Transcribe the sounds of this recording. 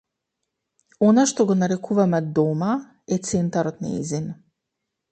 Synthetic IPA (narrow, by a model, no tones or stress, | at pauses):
ɔnaʃt̪ɔɡɔnaɾɛkuvamɛd̪ɔma | ɛt̪sɛnt̪aɾɔt̪na̰ḭzin